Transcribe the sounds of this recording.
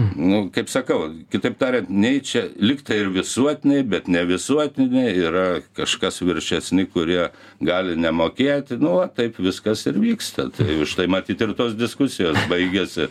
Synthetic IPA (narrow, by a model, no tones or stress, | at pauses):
nʊkɐɪpsɐkɐʊkʲɪt̪ɐɪpt̪ɑːɾʲɛnt̪nʲɛɪt͡ʃʲɛlʲɪkt̪ɐɪɾʋʲɪsuɔt̪ʲɪnʲɛɪbʲɛt̪nʲɛʋʲɪsuɔt̪ʲɪnʲɛɪiːɾɐkɐʃkɐsʋʲɪɾʲʃʲɛsʲnʲɪkʊɾʲiɛ | ɡɑːlʲɪnʲɛmoːkʲeːt̪ʲɪnʊʋɐt̪ɐɪpʋʲɪskɐsɪɾʋʲiːkst̪ɐt̪ɐɪɪʃt̪ɐɪmɐt̪ʲiːt̪ɪrt̪oːsd̪ʲɪskʊsʲɪjoːsbɐɪɡʲɛsʲɪ